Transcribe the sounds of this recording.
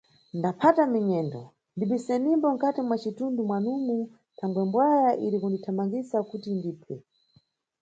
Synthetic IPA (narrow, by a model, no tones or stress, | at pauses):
ndapʰatamiɲɛndɔ̰ | ndiɓisɛnimbɔŋ̩katimwat͡ʃitundumwanumu | tʰaŋɡwɛmbwajaʔiɾikunditʰamaŋɡisakutindiːpʰɛ